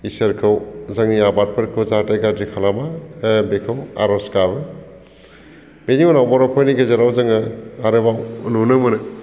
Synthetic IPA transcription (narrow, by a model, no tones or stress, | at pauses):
isɐɾkʰɯwzaŋniabat̚pʰɯɾkʰɯwzatajɡazikʰalamabekʰɯwa̰ɾɔskabɯ | beniɔnawbɔɾɔpʰɔjniɡezeɾawzɯŋaaɾɯbawṵnunɯmɯnɯ